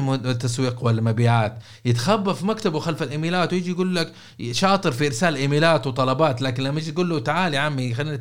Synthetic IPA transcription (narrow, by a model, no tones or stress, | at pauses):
mt̪ːaswiːqwɪlmabiːʕaːt̪ | jɪt̪xabːafimakt̪abwɪxalfalʔɪmiːlaːt̪wjɪd͡ʒijɡuːlːak | ʃɑːt̪ˤɨɾfiʔɪɾsaːlʔɪmiːlaːt̪wt̪ˤɑlɑbɑːt̪laːkɪnlamːaɪd͡ʒit̪ɡuːlːut̪aʕaːliʕamːixalːiːna